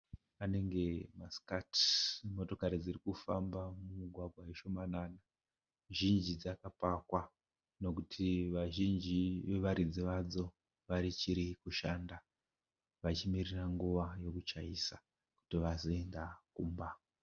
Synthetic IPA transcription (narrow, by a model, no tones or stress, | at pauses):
ane̞ŋɡe̞maskatmo̞to̞kaɾid͡zirikufambamumuɡʱwaɡʱwajeʃo̞manana | ʒind͡ʒid͡zakapakwa | no̞k̬utʰiʋaʒind͡ʒiʋe̞ʋaɾid͡ziʋad͡zo̞ | ʋaɾit͡ʃiɾikuʃanda | ʋat͡ʃimiriraŋɡuʋajo̞kut͡ʃaisa | ku̥tiʋazo̞e̞ndakuːmba